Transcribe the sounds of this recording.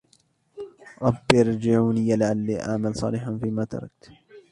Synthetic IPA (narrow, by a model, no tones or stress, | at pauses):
ɾˤɑbːjɑɾd͡ʒɪʕuːniːjalɪʕalːiːʔa̰ʕmalsˤɑ̰ːlɪħanfiːmaːt̪ɑ̰ɾˤɑ̰k̚t̪